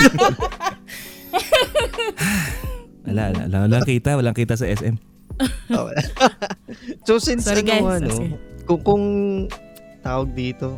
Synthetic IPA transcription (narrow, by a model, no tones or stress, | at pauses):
ʔɐlaʔɐla̰ʔlawɐlakiːt̪ɐwɐlaŋkiːt̪ɐsɐʔɛsʔɛm | o̰wɐ̰la | sosɪnsɪnɡaɐnokʊŋkʊŋ | t̪aːwɐɡ̚d̪iːt̪o